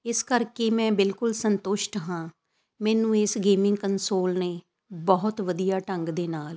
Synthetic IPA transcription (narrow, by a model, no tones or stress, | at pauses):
ɪskəɾkeːmɛ̃ːbɪlkʊlsənt̪ʊʃʈɦãː | mɛːnũːɪsɡeːmɪ̃ŋɡkənsoːlneː | bɔːʊt̪ʋəd̪ijaːʈəŋɡd̪eːnaːl